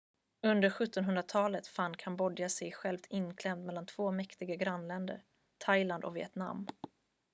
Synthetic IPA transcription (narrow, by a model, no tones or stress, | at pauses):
ɵnd̪əɾɧɵt̪ːɔnɦɵnd̪ɾat̪ʰɑːlət̪fanːkʰanbɔd̪jasɛjɧɛlvt̪ʰɪnːkʰlɛmt̪mɛlːant̪ʰv̥oːmɛkt̪ɪɡaɡɾanlɛnd̪ə̰ɾ | t̪ʰajland̪ɔ̰kvɪɛ̰t̪na̰mː